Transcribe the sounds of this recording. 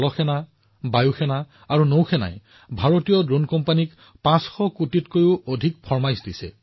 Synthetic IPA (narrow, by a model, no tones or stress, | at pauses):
lɔxɛna | bajuxʰɛna | aɹunowxʰɛna̰j | bʱaɹotijɔdɹonkɔmpanik | pãsxɔkutitkojʊodʱikpʰɔɹmajsdisɛ̰